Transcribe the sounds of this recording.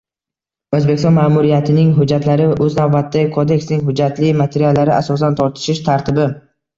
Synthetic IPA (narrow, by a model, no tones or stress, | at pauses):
ɵzbe̞kʲɪ̥st̪ɔnmaːmʊɾɪjat̪ʰɪnɪŋɦʊd͡ʒːat̪laɾɪvʔɵznavbat̪ːaɪkʰod̪e̞kʲsnɪŋɦʊd͡ʒːat̪lɪmat̪ʰe̞ɾijalːaɾɪʔa̰sɒs̬ant̪ʰɒɾt̪ʰɪ̥ʃɪʃt̪ʰaɾt̪ʰɪbɪ